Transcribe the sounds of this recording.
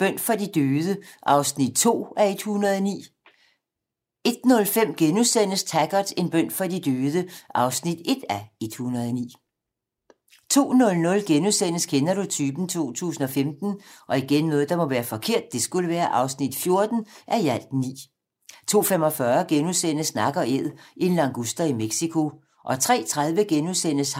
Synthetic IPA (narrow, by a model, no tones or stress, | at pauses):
b̥œn̰fʁɑdid̥øːð̞ˠəʔɑ̈ʊsnid̥̚t͡sʰo̝̰ːæe̝d̥hunɐð̞ˠɒnḭː | e̝d̥nɔ̽lfem̰ɡ̥enusen̰əst͡sʰæɡ̥ɐd̥e̝nb̥œn̰fɑ̈d̥id̥øːðˠəʔɑ̈ʊsnid̥e̝d̥æe̝d̥hunɐð̞ˠɒnḭː | t͡sʰo̝̰ːnɔ̽lnɔ̽lɡ̥enusen̰əskʰenɐɾut͡sʰyːb̥n̩t͡sʰo̝̰ːt͡sʰṵːsn̩ɒ̽femd̥n̩ʔɒ̽iɡ̥enːɔ̽ːð̩ˠd̥ɑ̈mɒ̽ʋæːɐfɒ̽kʰe̝ɐ̰d̥̚ːe̝sɡ̥uləʋæːɐʔɑ̈ʊsnid̥fjo̝ɐd̥n̩ʔæjæl̰d̥nḭː | t͡sʰo̝̰ːfemɒ̽fɶɐɡ̥enusen̰əsnɑ̈ɡ̥ɐeð̰ˠʔenlɑ̈ŋɡ̥usd̥ɐimeɡ̥sikʰo̝ | ʔɒ̽t͡sʰʁɛ̰ːt͡sʰʁað̞ˠʋəɡ̥enusen̰əs